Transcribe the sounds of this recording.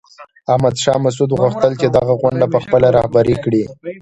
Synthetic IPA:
ahmad̪ʃɑmas̬ud̪ɣʊxt̪əlt͡ʃed̪aɣaɣʊɳɖapəxpəlaɾɑhbaɾikɽi

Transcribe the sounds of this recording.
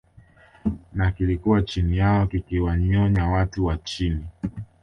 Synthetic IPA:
nakilikuwat͡ʃinijaɔkikiwaɲɔɲawatuwat͡ʃini

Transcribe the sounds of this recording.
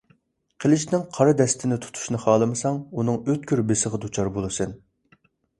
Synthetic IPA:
qʰəlˠɪʃnɪŋqʰɑɾɨd̪ɛst̪ʰɪnɪt̪ʰu̥t̪ʰu̥ʃnɨχɑːlˠɨmɨsɑŋunɨŋøt̪̚kʲʰyɾbesəʁəd̪ut͡ʃʰɑɾbolˠɨsɨn

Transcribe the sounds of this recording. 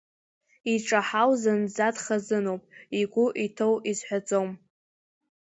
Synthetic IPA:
iʈ͡ʂʼaħawzand͡zatχazɨnowpʼiɡʷʊʔitʰowizħʷᶣat͡sʼowm

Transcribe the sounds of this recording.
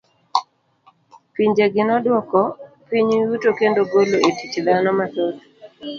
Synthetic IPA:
piɲd͡ʒeɡɪnɔdwɔkɔpiɲjutokendoɡoloetit͡ʃd̪anɔmat̪ɔt̪

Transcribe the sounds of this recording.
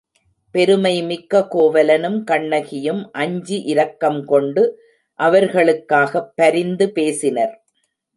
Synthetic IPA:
pɛɾɯmɐɪmɪkːɐkoːʋɐlɐnɯmkɐɳːɐɣɪjɯmʔɐɲd͡ʒiʔɪɾɐkːɐmkɔɳɖɯ | ʔɐʋɐɾɣɐɭɯkːaːɣɐpːɐɾɪnd̪ɯpeːsɪnɐɾ

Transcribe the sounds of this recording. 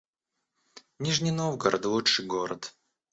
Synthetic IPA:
nʲiʐnʲɪnovɡəɾʔə̰t̪lˠuʂɨjɡoɾət̪

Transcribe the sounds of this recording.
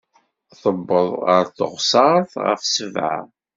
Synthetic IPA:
θˤəbːəðˤə̰ɾθə̰ʁsɑɾθʁə̰fsəvʕa̰

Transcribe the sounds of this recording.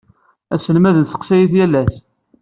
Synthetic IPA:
æsənmæðənsə̥qsæjiθjælːæs

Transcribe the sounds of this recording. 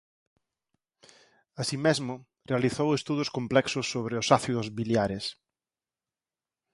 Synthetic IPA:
asimezmʊ | realiθowest̪uðʊskomplɛksʊsːoβɾeʊsaθiðʊzβiljaɾes

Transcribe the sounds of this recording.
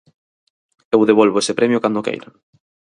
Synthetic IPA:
ewðeβ̞olβoesepɾemjʊkand̪okḛjɾa

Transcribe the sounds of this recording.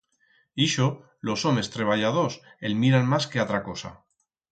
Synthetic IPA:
iʃo | lo̞so̞me̞st̪ɾe̞β̞aʎaðo̞se̞lmiɾanmaskeat̪ɾako̞sa̰

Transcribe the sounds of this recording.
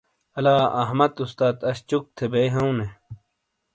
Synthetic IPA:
ɐlaːɐɦmɐt̪ust̪aːt̪ɐɕt͡ɕuk̚t̪ʰebejɦɐũne

